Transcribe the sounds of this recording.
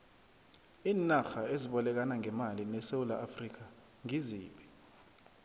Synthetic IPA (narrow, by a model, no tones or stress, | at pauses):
iːnaxaeziɓɔlɛk̬anaŋɛmalinɛseulaʔafrik̬a | ŋiziːɓi